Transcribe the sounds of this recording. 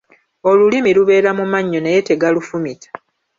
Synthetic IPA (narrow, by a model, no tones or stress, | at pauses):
o̞lulimiluβe̞ːɾamumaɲːo̞nejete̞ɡalufumitʰḁ